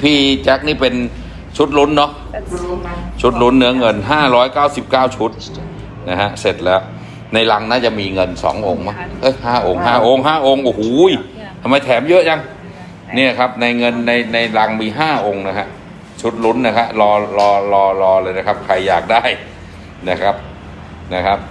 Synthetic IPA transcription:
pʰiː˥˩t͡ɕɛ˦˥k̚niː˥˩pe˧n | t͡ɕʰu˦˥t̪̚lu˦˥nːɔ˦˥ | t͡ɕʰu˦˥t̪̚lu˦˥nːɯ˦ɐ˦ŋɤ˧nɦaː˥˩ɾɔː˦˥jkaː˥˩wsi˨˩p̚kaː˥˩wt͡ɕʰu˦˥t̪̚ | na˦˥kʰa˦˥se˨˩t̪̚lɛː˦˥w | na˧jla˧ŋna˦˥nt͡ɕa˨˩miː˧ŋɤ˧nsɔ̰ː˩˦ŋʔo˧ŋma˦˥ʔɤ˦˥˩jhaː˥˩ʔo˧ŋɦaː˥˩ʔo˧ŋɦaː˥˩ʔo˧ŋʔoː˧˩huː˨˩˦j | t̪ʰa˧mːa˧jt̪ʰɛː˩˦mjɤ˦˥ʔja˧ŋ | ni˥˩ɐkʰa˦˥p̚na˧jŋɤ˧nːa˧jna˧jla˧ŋmiː˧ɦaː˥˩ʔo˧ŋna˦˥kʰa˦˥ | t͡ɕʰu˦˥t̪̚lu˦˥nːa˦˥kʰa˦˥ʔlɔː˧lɔː˧lɔː˧lɔː˧lɤː˧jna˦˥kʰa˦˥p̚kʰɾa˧jːaː˨˩k̚daː˥˩j | na˦˥kʰa˦˥p̚ | na˦˥kʰa˦˥p̚

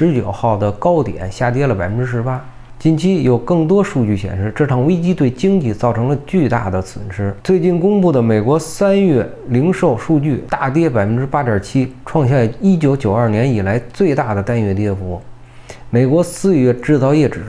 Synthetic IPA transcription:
ʂɻ̩˧˥t͡ɕjo˨˩ʊxɑ˥˩ʊd̪ə˩kɑ˥ʊt̪jɛ̰˨˩˦nɕja˥˩t̪jɛ˥lə˨pa˨˩ɪfə˧˥nʈ͡ʂɻ̩˥ʂɻ̩˧˥pa˥ | t͡ɕi˥˩nt͡ɕʰi˥jo˨˩ʊkɤ˥˩ŋt̪̬wɔ˥ʂu˥˧t͡ɕy˥˩ɕjɛ̰˨˩nʂɻ̩˥˧ʈ͡ʂɤ˥˩ʈ͡ʂʰɑ˨˩ŋwe˥ɪt͡ɕi˥t̪we˥˩ɪt͡ɕi˥ŋt͡ɕi˥˩t͡sɑ˥˩ʊʈ͡ʂʰɤ˧˥ŋlə˧t͡ɕy˥˧t̪a̰˥˩d̪ə˩t͡sʰwʊ̰˨˩nʂɻ̩˥t͡swe˥˧ɪt͡ɕi˥˩nkʊ˥ŋpu˥˩d̪ə˩me˨˩ɪkwɔ˧˥sa˥nɥɛ˥˩ | li˧˥ŋʂo˥˧ʊʂu˥˧t͡ɕy˥˩t̪a˥˩t̪̬jɛ˥˩pa˨˩ɪfə˥nʈ͡ʂɻ̩˥pa˥d̪jə˞˨˩t͡ɕʰi˥ʈ͡ʂʰwɑ˥˧ŋɕja˥˩i˥t͡ɕjo˧˥ʊt͡ɕjo˨˩ʊɐ˞˥˩njɛ˧˥ni˨˩la˧˥ɪt͡swe˥˧ɪt̪a˥˩d̪ə˩t̪a˥˧nɥɛ˥˧t̪jɛ˥fu˧˥ | me˨˩ɪkwɔ˧˥sɹ̩˥˧ɥɛ˥˧˩ʈ͡ʂɻ̩˥˧t͡sɑ˥˧ʊjɛ˥˩ʈ͡ʂɻ̩˨˧˥

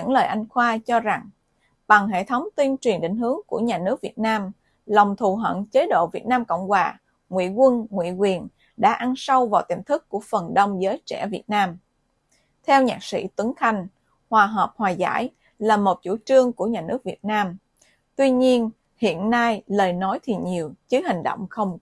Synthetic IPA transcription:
ə̰˧˥ŋləː˨˩jʔa˧jŋ̟xwaː˧t͡ɕɔ˧za˨˩ŋ | ɓa˨˩ŋɦḛ˧˨t̪ʰə˨˦wŋ͡mt̪wi˧ənt͡ɕwi˨˩ənɗï˨˩ŋ̟hɨ˨˦əŋku˧˩əɲaː˨˩nɨ˦˥ək̚vi˨˩ət̚naː˧m | lɔ˨˩wŋ͡mt̪ʰu˨˩ɦə̰˧˨nt͡ɕe˨˦ɗo̰˧˨vi˨˩ət̚naː˧mkə̰˧˨wŋ͡mhwaː˨˩ | ŋwḭ˧˨kwə˧nŋwḭ˧˨kwi˨˩ən | ɗa̰ː˧˥ʔa˧nsa˧wvaː˨˩wt̪ḭ˨˩mt̪ʰɨ˦˥kːu˧˩əfə˨˩nɗə˧wŋ͡mzəː˨˦jt͡ɕɛ̰˧˩vi˨˩ət̚naː˧m | t̪ʰɛ˧wɲaː˨˩k̚sḭ˧˥t̪ə˨˦ŋxa˧˩jŋ̟ | hwaː˨˩ɦəː˨˩p̚hwaː˨˩za̰ː˧˥˩j | laː˨˩mo˨˩t̚t͡ɕu˧˩t͡ɕɨ˧əŋku˧˩əɲaː˨˩nɨ˦˥k̚vi˨˩ət̚naː˧m | t̪wi˧ɲi˧ən | hḭ˧˨ənːa˧jləː˨˩jnɔ˨˦jt̪ʰi˨˩ɲi˨˩əwt͡ɕɨ˨˦hï˨˩ŋ̟ɗo̰˧˨wŋ͡mxə˧wŋ͡m

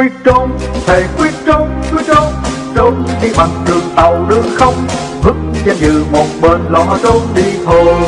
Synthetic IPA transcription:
wi˦˥ət̚t͡ɕo˧nt̪ʰe˨˩˦kwi˦˥ət̚t͡ɕo˧nkwi˦˥ət̚t͡ɕo˧ | t͡ɕo˧nxi˧ɓa˨˩ŋ̚ɗɨ˨˩əŋt̪a˨˩wɗɨ̰˧˥əxə˧wŋ͡m | hɨ˦˥k̚t͡ɕe˧zɨ˨mo˨˩t̚ɓə˨˩nlɔ̰˧˦to˧nɗi˧t̪ʰo˧˩j

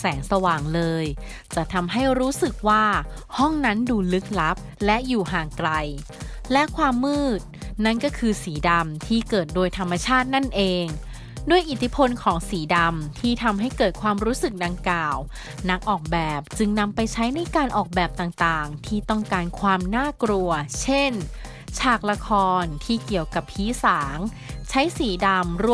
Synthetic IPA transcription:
sɛː˩˦ŋsa˧waː˨˩ŋlɤː˧j | t͡ɕa˨˩ʔt̪ʰa˧mɦa˥˩jɾuː˦˥sɯ˨˩k̚waː˥˩hɔ˥˩ŋna˦˥nduː˧lɯ˦˥k̚la˦˥p̚lɛ˦˥ʔjuː˨˩ɦaː˨˩ŋkla˧j | lɛ˦˥ʔkʰwaː˧mːɯː˥˩t̪̚na˥˩nkɔː˥˩kʰɯː˧siː˩˦da˧mt̪ʰiː˥˩kɤː˨˩t̪̚doː˧əjt̪ʰa˧mːa˧t͡ɕʰaː˥˩t̪̚na˥˩nʔeː˧ŋ | duː˧˥˩əjʔiː˨˩t̪ʰi˦˥pʰo˧nkʰɔː˩˦ŋsiː˩˦da˧mt̪ʰiː˥˩t̪ʰa˧mɦa˥˩jkɤː˨˩t̪̚kʰwaː˧mɾuː˦˥sɯ˨˩k̚da˧ŋkaː˨˩w | na˦˥k̚ʔɔː˨˩k̚bɛː˨˩p̚t͡ɕɯ˧ŋna˧mpa˧jt͡ɕʰa˦˥jna˧jkaː˧nʔɔː˨˩k̚bɛː˨˩p̚t̪aː˨˩ŋt̪aː˨˩ŋt̪ʰiː˥˩t̪ɔ˥˩ŋkaː˧nkʰwaː˧mnaː˥˩kɾu˧ɐt͡ɕʰe˥˩n | t͡ɕʰaː˧˥˩k̚la˧kʰɔː˧nt̪ʰiː˥˩ki˨˩əwka˨˩phʰiː˨˦˥saː˩˦ŋ | t͡ɕʰa˦˥jsiː˩˦da˧mɾu˧˩

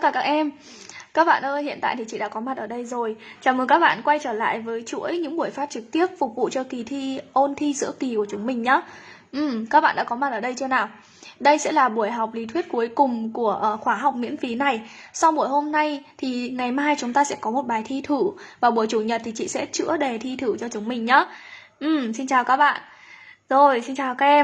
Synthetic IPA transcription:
kaː˧˩kaː˦˥k̚ʔɛ˧m | kaː˦˥k̚ɓa̰ː˧˨nʔəː˧jhḭ˧˨ənt̪a̰ː˧˨jt̪ʰi˨˩t͡ɕḭ˧˨ɗa̰ː˧˥kɔ˨˦ma˨˩t̚ʔəː˧˩ɗə˧jzo˨˩jt͡ɕaː˨˩məː˨˩kaː˦˥k̚ɓa̰ː˧˨nkwa˧jt͡ɕəː˧˩la̰ː˧˨jvəː˨˦jt͡ɕṵ˧˥əjɲɨ̰˧˥ŋɓu˧˩əjfaː˦˥t̚t͡ɕɨ˨˩k̚t̪i˦˥əp̚fʊ˨˩k͡p̚vṵ˧˨t͡ɕɔ˧ki˨˩t̪ʰi˧ʔo˧nt̪ʰi˧zɨ̰˧˥əki˨˩ku˧˩ət͡ɕʊ˨˦ŋ͡mmï˨˩ŋ̟ɲaː˨˦ | ʔɨ˨˩mkaː˦˥k̚ɓa̰ː˧˨ɗ̰ːkɔ˨˦ma˨˩t̚əː˧˩ɗə˧jt͡ɕɨ˧ənaː˨˩w | ɗə˧jsɛ̰˧˥laː˨˩ɓu˧˩əjɦa˨˩wk͡p̚li˨˦t̪ʰwi˦˥t̚ku˨˦jkʊ˨˩ŋ͡mku˧˩əʔxwaː˧˩ɦa˨˩wk͡p̚mḭ˧˥ənfi˨˦na˨˩jsa˧wɓu˧˩əjɦo˧mna˧jt̪ʰi˨˩ŋa˨˩jmaː˧jt͡ɕʊ˨˦ŋ͡mt̪aː˧sɛ̰˧˥kɔ˨˦mo˨˩t̚ɓaː˨˩jt̪ʰi˧t̪ʰɨ˧˩vaː˨˩ɓu˧˩əjt͡ɕu˧˩ɲə˨˩t̚t̪ʰi˨˩t͡ɕḭ˧˨sɛ̰˧˥t͡ɕɨ̰˧˥əɗe˨˩t̪ʰi˧t̪ʰɨ˧˩t͡ɕɔ˧t͡ɕʊ˨˦ŋ͡mmï˨˩ŋ̟ɲaː˨˦ | ʔɨ˨˩msi˧nt͡ɕaː˨˩wkaː˦˥k̚ɓa̰ː˧˨n | zo˨˩jsi˧nt͡ɕaː˨˩wkaː˦˥k̚ɛ˧

